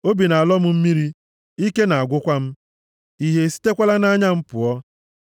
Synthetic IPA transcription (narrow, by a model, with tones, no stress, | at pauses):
o˦bi˨na˨a˨lɔ˦m̩˦m̩˦mi˦ɾi˦ | i˦ke˦na˨a˨ɡʷʊ˦kʷa˦m̩˦ | i˦ɦe˨si̥˦te˦kʷa˦la˦na˦ɲa˦m̩˦pʊ˨ɔ˦